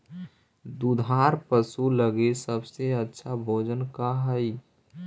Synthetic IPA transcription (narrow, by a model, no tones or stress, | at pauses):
d̪ud̪ʱaɾpəsuləɡesəbseətːʃʰabʱoːd͡ʒənkaɦəi